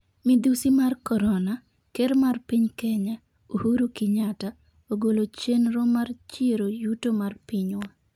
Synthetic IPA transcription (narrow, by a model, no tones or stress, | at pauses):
mid̪usimarkɔɾɔna | keɾmarpiɲkɛɲa | ohuɾokiɲata | oɡolot͡ʃenɾɔmart͡ʃeɾojutomarpiɲwa